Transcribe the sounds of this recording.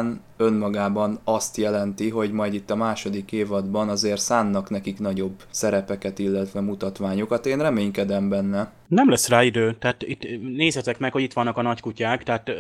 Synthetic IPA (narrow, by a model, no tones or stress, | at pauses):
n | ønmɒɡaːbɒnɒst̪jɛlɛnt̪iɦo̞ɟmɒjd̪it̪ːɒmaːʃo̞d̪ikeːvɒd̪bɒnɒzeːrt̪saːnːɒknɛkiknɒɟo̞bsɛɾɛpɛkɛt̪ilːɛt̪ʋɛmut̪ɒt̪ʋaːɲo̞kɒt̪eːnrɛmeːɲkɛd̪ɛmbɛnːɛ | nɛmlɛsːraːid̪øːt̪aːt̪it̪neːszhɛt̪ɛkmɛkho̞ɟit̪ʋɒnːɒkɒnɒckucaːkt̪ɛːt̪